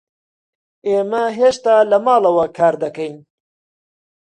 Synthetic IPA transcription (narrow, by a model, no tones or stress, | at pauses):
eːmɐɦeːʃt̪aːlɐmaːlˠɐwɐkʰaːɾd̪ɐkɐjn